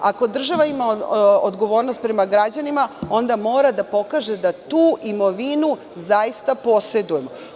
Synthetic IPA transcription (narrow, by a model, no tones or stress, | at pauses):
ako̞d̪r̩ʒaʋaimaod̪ɡo̞ʋo̞ːɾnost̪pɾe̞maɡɾad͡ʑanimao̞nd̪amo̞ːɾad̪apo̞kaːʒe̞d̪at̪uːʔimo̞ʋinu | zaist̪apo̞se̞d̪uje̞mo